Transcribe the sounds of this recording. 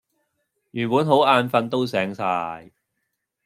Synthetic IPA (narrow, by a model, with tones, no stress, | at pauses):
jyː˨˩npuː˨˥nɦo˨˥waː˧nfɐ˧nt̪o˥wsɛː˨˥ŋsaː˧j